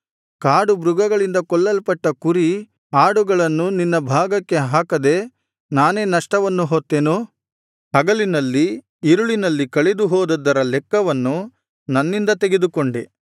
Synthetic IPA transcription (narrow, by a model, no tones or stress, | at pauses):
kaːɽubɾuɡɐɡɐɭind̪ɐkɔɭːɐlpɐʈːɐkuɾi | aːɽuɡɐɭɐnːuninːɐbʱaːɡɐkːe̞ɦaːkɐd̪e̞ | naːne̞ːnɐʂʈɐʋɐnːuɦoːt̪ːeːnu | hɐɡɐlinɐlːi | iɾuɭinɐlːikɐɭed̪uɦɔːd̪ɐd̪ːɐɾɐlɛkːɐʋɐnːu | nɐnːind̪ɐt̪eɡe̞d̪ukoɳɖe